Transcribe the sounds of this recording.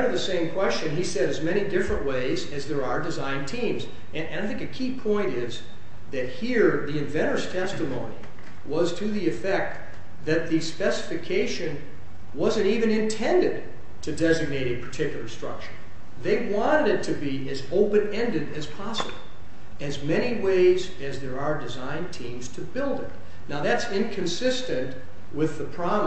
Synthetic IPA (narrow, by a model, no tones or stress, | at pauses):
ɾʌvðɨsẽɪ̃mkʰw̥ɛst͡ʃɨ̃nisɛɾɨzmɛɾ̃idɪfɹɨ̃nʔweɪzɨzðə˞ə˞dɨzãɪ̃ntʰĩmz | ɨ̃ɨ̃naɪθɪ̃ŋkɨkʰipʰɔ̃ɪ̃ntɪz | ðɨt̚hiɹðiɨ̃ɱvɛ̃ɾ̃ə˞z̥tʰɛstɨmõʊ̃nḭ | wʌz̥tʰɨðiɨfɛk̚t̪̚ | ðɨt̪̚ðɨspɛsɨ̥fɨkʰeɪʃɨ̃n | wʌzɨ̃ntivɨ̃nɨ̃ntʰɛ̃ndɨd̚ | tʰɨdɛzɨɡ̚neɪɾɨ̃pʰə̥˞tʰɪkjl̩ˠə˞stɹ̥ʌ̰k̚t͡ʃə˞ | ðeɪwɑ̃ɾ̃ɨɾɨtʰɨbi | ɨzoʊpɨ̃nɛ̃ndɨɾɨz̥pʰɑsəbl̩ˠ | ɨzmɛɾ̃iweɪz | ɨzðə˞ə˞dɨzãɪ̃ntʰĩmz̥tʰɨbɪlˠdɪ̰t̚ | naʊðætsɪ̃nkʰɨ̃nsɪstɨ̃nʔ | wɪðəpʰɹ̥ɑb